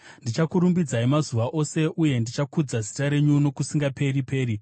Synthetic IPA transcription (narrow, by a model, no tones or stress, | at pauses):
ndit͡ʃakuɾumbid͡zaimazuʋaʔo̞se̞ʔuje̞ndit͡ʃakud͡zazi̥taɾe̞ɲuno̞kusiŋɡape̞ripe̞ːɾi